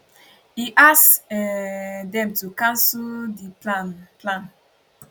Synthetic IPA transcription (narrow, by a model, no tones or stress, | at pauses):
iʔas | dɛ̃mtukãnsldiplanplãn